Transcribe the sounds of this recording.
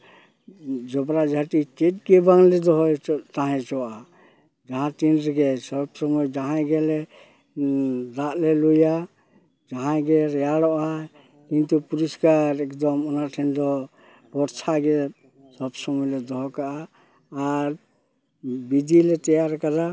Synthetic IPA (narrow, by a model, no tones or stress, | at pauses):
d͡ʒɔbɾad͡ʒʱaʈiket̚ɡɛbaŋlɛd̪ɔɦɔt̪aɦɛ̃t͡ʃɔwaa | d͡ʒaɦãtinɾɛɡɛsɔbsɔmɔjd͡ʒaɦãɡɛlɛ | ɾaʔlɛluja | d͡ʒaɦãɡɛɾɛjaɽɔʔa | kint̪upuɾiskaɾɛkd̪ɔmɔnaʈʰɛnd̪ɔ | bɔɾt͡ʃʰaɡɛ | sɔbsɔmɔjlɛd̪ɔɦɔkaʔaː | ɾ | bid̪ʱilɛt̪ɛjaɾkaɾa